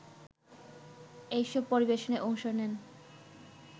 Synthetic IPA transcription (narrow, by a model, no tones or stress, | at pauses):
ejʃɔb̚poɾibeʃoneʔɔŋʃoɾnen